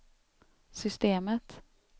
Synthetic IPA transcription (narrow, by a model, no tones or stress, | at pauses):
sʏst̪eːmət̪